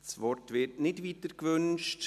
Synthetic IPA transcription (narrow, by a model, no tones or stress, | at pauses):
svɔrtʋɪtnɪdviːtəɾkvʏnʃt